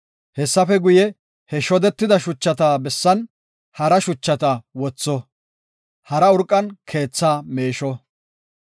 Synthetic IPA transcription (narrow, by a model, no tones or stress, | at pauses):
hɛsːɐfɛɡʊjɛ | hɛʃɔd̪ɛt̪ːɪd̪ɐʃʊt͡ʃːɐt̪aːbɛsːɐn | hɐɾɐʃʊt͡ʃːɐt̪ɐwɔt͡sːɔ | hɐɾɐʊɾkʼːɐnkʰe̞ːt͡sːaːmeːʃɔ